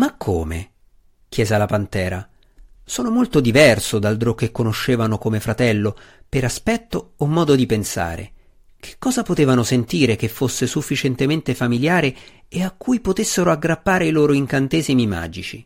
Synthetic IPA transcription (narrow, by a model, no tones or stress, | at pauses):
makʰːo̰ːmḛ | k̟jɛːzelapant̪ɛːɾa | soːnomolt̪od̪ivɛrsod̪ald̪ɾokekːonoʃːeːvanokomefɾat̪ɛlːopeɾaspɛt̪ːoːmːɔːd̪od̪ipensa̰ːɾḛ | kʰe̥kːɔːzapot̪eːvanosent̪iːɾekefːosːesufːit͡ʃɛnt̪ement̪efamiljaːɾeeakːujpot̪esːeɾoaɡɾapːaːɾeiloːɾoiŋkant̪eːzimima̰ːd͡ʒit͡ʃi